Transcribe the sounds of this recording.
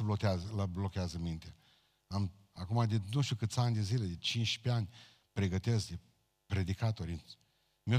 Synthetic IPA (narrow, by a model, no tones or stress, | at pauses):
blot̪eazələblo̞kʲeazəmint̪e | am | akumad̪enuʃt̪ʲukɨt̪sʲanʲd̪eziled̪et͡ʃint͡ʃʲpeanʲ | pɾe̞ɡət̪e̞skd̪e | pɾed̪ikat̪o̞ɾʲ | meo